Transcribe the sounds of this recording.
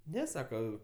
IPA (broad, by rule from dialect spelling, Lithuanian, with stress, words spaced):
ˈnʲɛ ˈsɑːkɐ